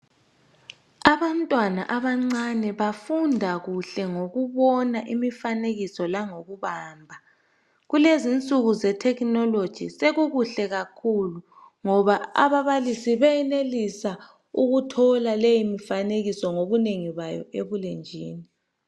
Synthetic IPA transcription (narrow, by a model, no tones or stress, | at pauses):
aβantʼwana̰ʔaβaŋ͡ǀanɛβafundʱaɣuɬɛŋoɣuβɔnaʔimifaneɣisɔlaŋoɣuβaːmbʱa | ɣulezint͡sʼuɣuzɛtʰɛkʼnɔlod̥ʒ̥ʱiseɣuɣuɬɛɣakʰulu | ŋɔβaa̰βaβalisiβɛjɛnelisa | uɣutʰɔlalejimifaneɣisɔŋoβuneŋiβajɔ̰eβulend͡ʒʱḭːni